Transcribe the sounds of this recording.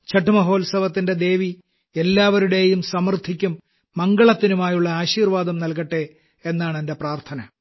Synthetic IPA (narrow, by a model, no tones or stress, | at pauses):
t͡ɕɐʈːumɐɦo̞ːlsɐʋɐt̪ːinde̞d̪e̞ːʋi | elːaːʋɐɾuɽe̞jumsɐmɐrt̪ʰikʲːumː | ɐŋɡɐɭɐt̪ːinumaːjuɭːɐaːɕiːrʋaːd̪ɐmnɐlkɐʈːe̞ | enːaːɳendepraːrt̪ʰɐnɐ